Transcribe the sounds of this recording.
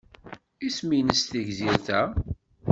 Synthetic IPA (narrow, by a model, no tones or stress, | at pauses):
isminəst̪iʝziɾθæ